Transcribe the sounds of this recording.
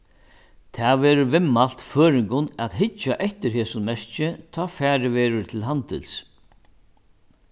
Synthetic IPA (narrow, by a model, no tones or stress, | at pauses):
t̪ʰɛːvɛːɾʊɾvɪmːal̥t̪føːɾɪŋkʊnaðɦɪt͡ʃːaʔɛht̪ɪɾɦɛːsʊnmɛɹ̥t͡ʃɪt̪ʰɔːfæːɾɪʋɛːɾʊɾt̪ʰɪlɦant̪ɪ̰ls